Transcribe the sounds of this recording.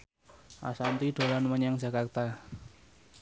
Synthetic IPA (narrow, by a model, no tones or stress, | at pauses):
ʔa̰sant̪iɖ̪̥o̤lanməɲaŋd͡ʒa̤kart̪a